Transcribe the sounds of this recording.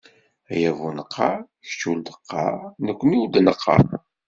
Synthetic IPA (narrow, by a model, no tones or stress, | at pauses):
æjævunəqʰːɑ̰ | ç̥t͡ʃːuld̪ə̥qʰːɑ̰nəkʷːəniwud̪nəqʰːɑ̰